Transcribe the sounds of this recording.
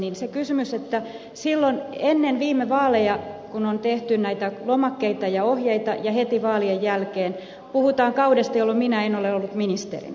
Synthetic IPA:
ninsekysymyset̪ːæ | silːonenːenʋiːmːeʋɑːlejɑkunont̪eht̪ynnæit̪ælomɑkːeit̪ɑjɑohjeit̪ɑjɑhet̪iʋɑːliejjælkeːn | puhut̪ɑːŋkɑudest̪ɑjolːomminæenoleolːut̪minist̪ḛrḭn

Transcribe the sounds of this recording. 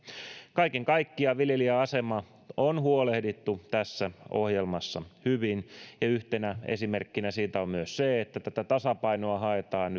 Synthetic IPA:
kɑikeŋkɑikːiɑʋiljeliæɑsemɑ | onhuolehdit̪ːut̪æsːæʔo̰hjelmɑsːɑhyʋinjɑyht̪enæḛsimerkːinæsiːt̪æommyøsseet̪ːæt̪æt̪æt̪ɑsɑpɑinoɑɦɑet̪ɑːn

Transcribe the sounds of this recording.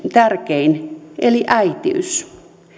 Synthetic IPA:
t̪ærkeinʔeliʔæit̪ḭy̰s

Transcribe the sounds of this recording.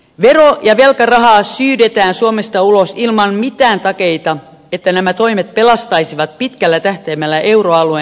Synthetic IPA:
ʋerojɑʋe̞lkɑrɑɦɑːsyːdet̪æːnsuomest̪ɑulosilmɑnmit̪æːnt̪ɑke̞it̪ɑ | et̪ːænæmæt̪oimet̪̚pe̞lɑst̪ɑisiʋɑt̪̚pit̪kælːæt̪æht̪eːmːælːæʔewroɑlue

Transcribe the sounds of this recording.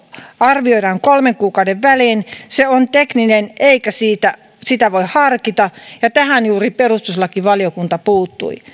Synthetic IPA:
ɑrʋioiɾɑːŋkolmeŋkuːkɑudeʋʋæliːnseont̪eknineneikæsiːt̪æ | sit̪æʋoihhɑrkit̪ɑjɑt̪æhænjuːriperust̪uslɑkiʋɑliokunt̪ɑpuːt̪ːṵi

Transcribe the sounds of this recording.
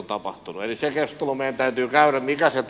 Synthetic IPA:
nt̪ɑpɑ̰ht̪unuelisekest̪olomeˑiænt̪æyt̪yːkæyræmmikæset

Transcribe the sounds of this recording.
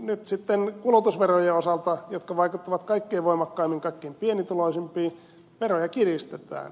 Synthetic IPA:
nyt̪sit̪ːenkulut̪usʋerojeosɑlt̪ɑjot̪kɑʋɑikut̪ːɑʋɑt̪kɑikːeːʋoimɑkːɑimːiŋkɑikːeːmpienit̪uloisimpiː | ʋerojɑkirist̪et̪æ̰ːn

